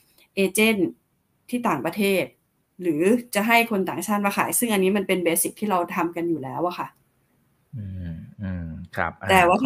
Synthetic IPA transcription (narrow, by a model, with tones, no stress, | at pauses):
ʔeː˧t͡ɕe˥˩n | t̪ʰːiː˥˩t̪aː˨˩ŋpɾa˧t̪ʰeː˥˩t̪̚ | ɾɯː˩˦t͡ɕa˨˩ɦa˥˩jkʰo˧nt̪aː˨˩ŋt͡ɕʰaː˥˩t̪̚maː˧˥kʰa̰˨˩˦jsɯ˥˩ŋʔa˧nːiː˦˥ma˧npe˧nbeː˧si˨˩k̚t̪ʰiː˥ɾa˧wt̪ʰa˧mka˧njuː˨˩lɛː˦˥wʔa˨˩kʰa˥˩ʔ | ɯː˧˩ɯː˧mkʰa̰˦˧˩p̚t̪ɛː˨˩wa˥˩